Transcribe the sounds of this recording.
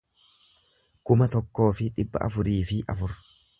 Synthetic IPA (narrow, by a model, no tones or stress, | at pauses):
kʊmɐt̪ɔkːo̞ːfɪᶑɪbːɐ̰ʔɐ̰fʊɾiːfɪʔɐ̰fʊɾ